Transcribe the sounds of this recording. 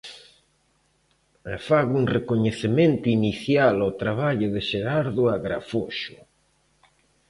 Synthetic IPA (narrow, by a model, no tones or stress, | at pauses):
afaɣuŋrekoɲeθemẽnt̪ʊiniθjalot̪ɾaβ̞aʎʊðɪʃeɾaɾðʊaɣɾa̰foʃʊ